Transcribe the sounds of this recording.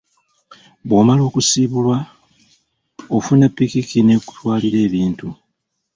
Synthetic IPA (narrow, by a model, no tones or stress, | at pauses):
βwoːmalo̞ːkusiːβulwa | ofunapːikikine̞ku̥twaːliɾe̞ːβiːntu